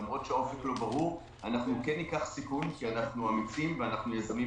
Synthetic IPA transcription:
amʁo̞tʃeo̞feklo̞baʁuʁ | anaχnukenːikaχsikunkianaχnuamit͡simveanaχnujezami

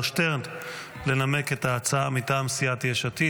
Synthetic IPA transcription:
ʃteʁt | le̞nameke̞taːt͡saamitaːmsiatjeʃati

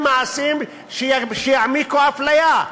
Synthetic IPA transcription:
maʕasim | ʃejʃejaʕmikoaflaja

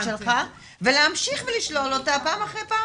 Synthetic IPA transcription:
ʃelχa | veleamʃiχveliʃlo̞lotapaːmaχʁejpaː

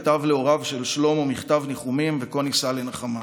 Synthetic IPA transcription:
t̪avleo̞ʁavʃe̞lʃlo̞mumiχt̪avniχumimveko̞nisalenaχama

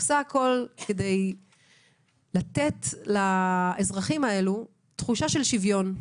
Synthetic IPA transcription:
saːko̞lkede̞j | lat̪etlaezʁaχimae̞lu | tχuʃaʃe̞lʃivjo̞n

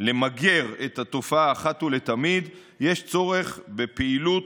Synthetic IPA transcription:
le̞maɡe̞ʁet̪at̪o̞faːχat̪ule̞t̪amid̪ | je̞ʃt͡so̞ʁe̞χbe̞peilut

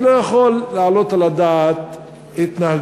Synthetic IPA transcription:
lojaχo̞lːaalo̞t̪alad̪aːt̪ | hit̪nahaɡ

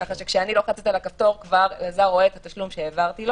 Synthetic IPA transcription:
kaχaʃekʃeanilo̞χat͡set̪alakaft̪o̞ʁkvaʁlazaʁoeːt̪at̪aʃlumʃeːvaʁt̪ilo

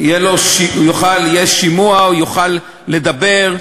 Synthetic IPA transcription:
jeloʃiujuχaljeʃimuaujuχalː | e̞d̪abe̞ʁ

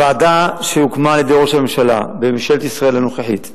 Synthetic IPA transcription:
vaːd̪aʃeukmaljed̪eʁoʃamemʃala̰bemʃelt̪isʁaelanoχeħit̪

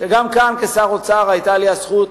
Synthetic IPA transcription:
ʃeɡamkankesaʁot͡saʁajt̪aljiasχut

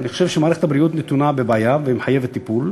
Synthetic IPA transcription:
niχoʃe̞vʃemaːɾeethabɾiut̪net̪unabebaːjaveimħajevet̪ːipul

